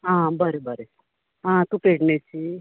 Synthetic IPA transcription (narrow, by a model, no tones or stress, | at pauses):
ãːbɐɾibɐɾisaɾ | ãːt̪upeʈnet͡ʃi